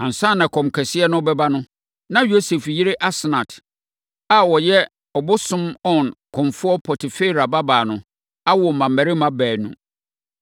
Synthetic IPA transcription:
ã˨n̩˨sã˦˨nã˨kʰɔ̃˨mkʰɛ˨sɪ˦ɛ˦nʊ̃˦bɛ˦ba˦nʊ̃˦ | nã˦jo˦se˨fjɪ˦ɾɪ˦ʔa˦sɪ˨nã˨tʰ | a˨wɔ˨jɛ˦ | ɔ˨bʊ˦sʊ̃˦mɔ˦˨nkʰɔ̃˨mfʊ˦ɔ˦pʰɔ˨tʰɪ˨fe˦i˨ɾa˨ba˦baː˨nʊ̃˨ | a˦wɔ˨mã˨mːæ˨ɾɪ˦mã˦bæː˨nṵ̃˨

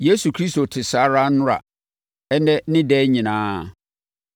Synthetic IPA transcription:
je˦su˨kʰɾi˦sto˨tʰɪ˨sa˨˦ɾa˦nʊ̃˦ɾa̰˨ | ɛ˦nɛ˦nɪ̃˦dɛː˦ɲĩ˨nãː˦˨

